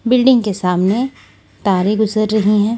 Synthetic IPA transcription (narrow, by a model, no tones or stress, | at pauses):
bɪlɖɪ̃ŋɡkesaːmne | t̪aːɾeɡʊzəɾːɐɦiɦɛ̃ː